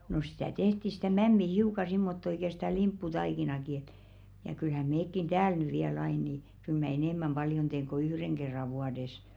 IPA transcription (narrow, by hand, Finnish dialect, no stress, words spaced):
no sĭtæ tehti si̥tæ mæmːi hiukɑ simːotːo ĭkæ sĭtæ limpːutɑikinɑki et jɑ kylhæ meːkːin tæːl ny ʋiæl ɑin niˑ kyl mæ enemˑæm b̥ɑljon teːŋ ko yhreŋ ɡ̊erːɑ ʋuɑdes